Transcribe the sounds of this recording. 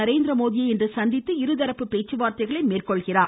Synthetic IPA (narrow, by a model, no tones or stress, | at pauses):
ɐɾeːnd̪ɪɾɐmoːðɪjɐɛndrɯsɐnd̪ɪt̪ːɯɪɾɯðɐɾɐpːɯpeːt͡ʃːɯʋaːɾt̪ɐɪɣɐɭɐɪmeːrkɔɭɣɪraː